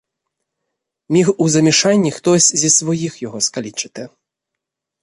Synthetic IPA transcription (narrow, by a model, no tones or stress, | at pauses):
mʲixuzɐmʲɛʂanʲːixt̪ɔsʲzʲisʋɔjixjɔɣɔskalʲit͡ʂɨ̥t̪ɪ